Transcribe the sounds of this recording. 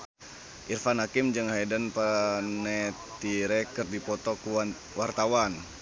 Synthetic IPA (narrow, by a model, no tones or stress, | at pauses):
ʔirfanhakimd͡ʒəŋhajdanpənɛ | t̪iɾɛkərdipɔt̪ɔku | wart̪awan